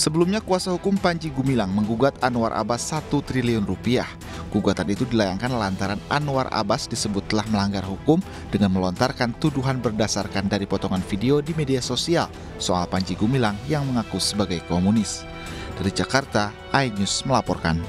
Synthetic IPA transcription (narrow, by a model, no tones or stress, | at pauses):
səbəlumɲakuasahukʊmpaɲd͡ʒiɡumilaŋməŋɡuɡat̪anua̰ɾʔa̰basːat̪ut̪ɾiliʊnrupiah | ɡ̥uɡat̪anit̪udilajaŋkanlant̪aɾanʔa̰nuwa̰rʔa̰basdisəbʊt̪ːəlahməlaŋɡarɦukʊm | d̥əŋanməlɔnt̪arkant̪uduɦanbərdasarkandaɾipɔt̪ɔŋanfideodimediasosial | soʔa̰lpaɲd͡ʒiɡumilaŋjaŋməŋakusəbaɡajkomunɪs | d̥aɾid͡ʒakart̪a | ʔajnusməlapɔrka̰n